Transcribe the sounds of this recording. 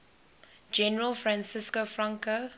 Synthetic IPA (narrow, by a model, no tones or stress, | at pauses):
d͡ʒɛnəɹəlfɹãnsɪskofɹãŋkə